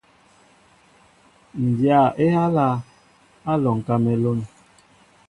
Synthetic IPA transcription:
n̩˨dja˨ʔe˦ha˦la˦ | a˦lɔ˨ŋ˨ka˦mɛ˨lo˦n

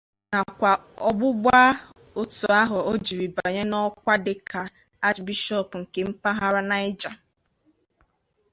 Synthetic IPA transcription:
na˨kʷa˨ɔ˦ɡ͡bʊ˦ɡ͡bʷa˦ | o˦tu˨a˦ɦʊ˨o˦d͡ʒi˨ɾi˨ba˨ɲe˦nɔ˦kʷa˦dɪ˨kʰa˨ | a˦t͡ʃbi˦ʃɔ˦˨pŋ̩˨ke˨m̩˦pa˦ɦa˦ɾa˦na˨ɪ˦d͡ʒa˨

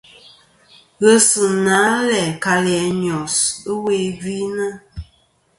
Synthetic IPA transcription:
ɣə˦sɨ˨na˨˦lɛ˨ka˨lɛ˨ɲɔ˨sə˦we˦vi˦nə˦

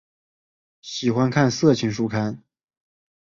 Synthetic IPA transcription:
ɕi˨˩xwa˥nkʰa˥˧nsɤ˥˩t͡ɕʰi˧˥ŋʂu˥˧kʰa˥˩n

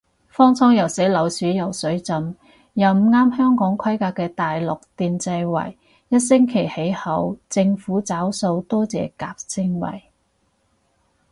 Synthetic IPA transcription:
fɔː˥ŋt͡sʰɔː˥ŋjɐ˨wse˨˥lɐ˨˥wsyː˨˥jɐ˨wsɵ˨˥ɥt͡sɐ˨m | jɐ˨wm̩˨ŋaː˥mhœː˥ŋkɔː˨˥ŋkʰɐ˥jkaː˧kːɛː˧t̪aː˨jlʊ˨k̚t̪iː˨nt͡sɐ˧jwɐ̰˨˩j | jɐ˥t̚sɪ˥ŋkʰe˨˩jhe˨˥jhɐ˨˧˥wt͡sɪ˧ŋfuː˨˥t͡saː˨˥wso˧wt̪ɔː˥t͡sɛ̰ː˨kaː˧p̚sɪ˥ŋwɐ̰˨˩j

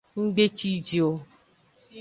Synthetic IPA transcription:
ŋ͡m̩˦ɡ͡be˦t͡ʃi˦d͡ʒi˨o˦

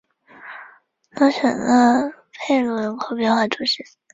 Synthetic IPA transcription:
nɑ˥ɕə̰˨˩nə˧pʰe˥˩ɪlwə˧˥nkʰo˥pjɛ˥˧nxwa˥˩ʈ͡ʂu˨˧˩ɕi˥˩

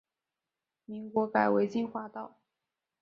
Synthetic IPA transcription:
mi˧˥ŋkwɔ˧˥ka˨˩ɪwe˧˥ɪt͡ɕi˥˩nxwa˥t̪ɑ˥˩ʊ

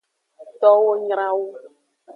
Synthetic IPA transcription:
t̪ɔ˦wo˦ɲɾ̃ã˦wo˦

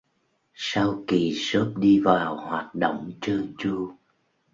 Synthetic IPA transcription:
sa˧wki˨˩sə˦˥p̚ɗi˧vaː˨˩whwaː˨˩t̚ɗo̰˧˨wŋ͡mt͡ɕəː˧t͡ɕu˧

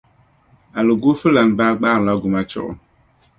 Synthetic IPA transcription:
a˨lo˨ɡu˦fɨ˦la˨n˨baː˦ɡ͡baː˦ɾla˦ɡu˨ma˦t͡ʃʊ̰˦ʔʊ̰˨

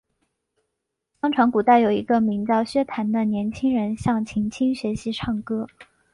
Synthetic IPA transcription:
t̪ɑ˥ŋʈ͡ʂʰɑ˧˥ŋku˨˩t̪a˥˩ɪjo˨˩ʊḭ˧˥ɡə˧mi˧˥ŋt͡sɑ˥˩ʊɕɥɛ˥t̪ʰa˧˥nd̪ə˧njɛ˧˥nt͡ɕʰi˥ŋɻə˧˥nɕjɑ˥˩ŋt͡ɕʰi˧˥ŋt͡ɕʰi˥ŋɕɥɛ˧˥ɕi˧˥ʈ͡ʂʰɑ˥˩ŋkɤ˥

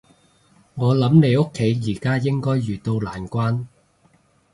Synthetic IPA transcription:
ŋɔː˨˧lɐ˨˥mnle˨˧jʊ˥kʰːe˨˥jjiː˨˩kaː˥jɪ˥ŋkɔː˥jːyː˨˩t̪o˧wlaː˨˩nkʷaː˥n

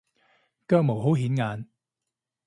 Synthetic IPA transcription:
kœː˧k̚mo˨˩wɦo˨˥wɦiː˨˥nŋaː˨˧n

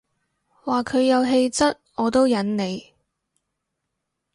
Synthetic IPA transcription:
waː˨kʰɵ˨˧ɥjɐ˨˧wɦe˧jt͡sɐ˥t̚ɔː˨˧t̪o˥wjɐ˨˥nne˨˧j

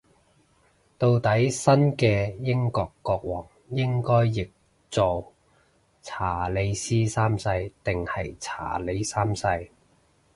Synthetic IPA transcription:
t̪o˧wt̪ɐ˨˥jsɐ˥nkɛː˧jɪ˥ŋkɔː˧kːɔː˧k̚wɔː˨˩ŋ | jɪ˥ŋkɔː˥jːɪ˨k̚ | t͡so˨˩w | t͡sʰaː˨˩le˨˥jsiː˥saː˥msɐ˧jt̪ɪ˨ŋhɐ˨jt͡sʰa̰ː˨˩le˨˧jsaː˥msɐ˧j

